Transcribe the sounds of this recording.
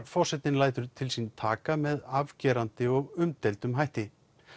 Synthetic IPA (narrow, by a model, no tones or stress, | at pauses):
fɔr̥sɛt̪nɪnlaːjt̪ʏɾt̪ʰɪlsint̪ʰaːkamɛðavcɛːɾant̪ɪɔɣʏmt̪ɛjlt̪ʏmɦajht̪ɪ